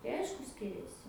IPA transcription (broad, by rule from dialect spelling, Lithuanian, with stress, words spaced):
tɐɪ ˈɐɪʃkʊ ˈsʲkʲɪrʲɛsʲɪ